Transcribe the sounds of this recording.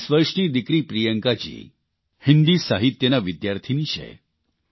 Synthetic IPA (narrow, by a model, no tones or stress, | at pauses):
sʋəɾʂniːd̪ikɾiːpɾijəŋkat͡ɕḭː | hind̪iːsaɦit̪jənaʋid̪jaɾt̪ʰiniɕɛ̰